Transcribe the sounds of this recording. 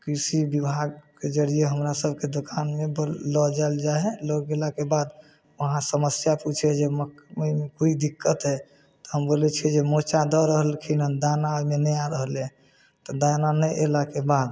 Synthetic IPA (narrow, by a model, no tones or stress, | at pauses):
kisibibʱaɡked͡ʒəɽijeɦəmɾasəbʱked̪okanmeblɔd͡ʒaeld͡ʒaɦɛloɡelakebad̪ | ʋəɦãsəməsjaput͡ʃʰed͡ʒeməkməmekuid̪ikːət̪ɦɛ | t̪ɔɦəmbolɛt͡ʃʰiɛd͡ʒemot͡ʃad̪ɔɾəɦəlkʰinənd̪anamenɛaɾəɦəlɛ̃ | t̪ɔd̪ananəʔelakebad̪